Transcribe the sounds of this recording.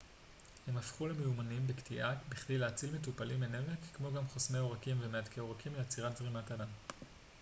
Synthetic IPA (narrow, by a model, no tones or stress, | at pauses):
he̞mafχulemeumanimbektiʔabiχdejleat͡silmetupalimenevekkmo̞ɡamχosmeo̞ʁakimvemeadkʰeo̞ʁakimlejat͡siʁat̪zʁimatadam